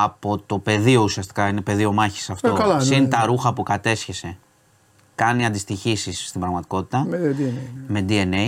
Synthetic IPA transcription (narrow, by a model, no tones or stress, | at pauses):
ɐpo̞t̪o̞pe̞ðio̞usiɐst̪i̥kɐine̞pe̞ðio̞mɐçi̥sɐft̪olsint̪ɐɾuxɐpukɐt̪e̞sçe̞se̞ | kɐniɐnd̪ist̪içisisːt̪ibɾɐɣmɐt̪i̥ko̞t̪i̥t̪ɐ | me̞d̪ie̞ne